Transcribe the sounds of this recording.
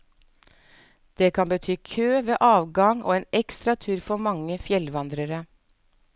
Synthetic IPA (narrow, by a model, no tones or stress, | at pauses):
d̪̥eːkʰɑnbət̪ʰyːkʰøːʋeːʔɑːʋɡɑŋo̰ːeːnɛkst̪ɾɑt̪ʰʉːɾfɔmɑŋəfjɛlʋɑnd̪ɾəɾə